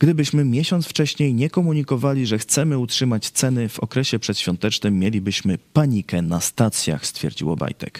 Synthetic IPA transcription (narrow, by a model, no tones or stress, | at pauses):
ɡd̪ɘbɘɕmɘmʲjɛɕɔnt̪ft͡ʂɛɕɲejɲɛkɔmuɲikɔvalʲiʐɛxt̪sɛmɘutʂɘmat͡ɕt̪sɛnɘv̥ɔ̰kɾɛɕɛpʂɛt̪ɕfʲjɔnt̪ɛt͡ʂnɘmːjelʲibɘɕmɘpaɲikɛnast̪at̪sʲja̰xst̪fʲjɛ̰ɾd͡ʑḭwɔ̰ba̰jt̪ɛ̰k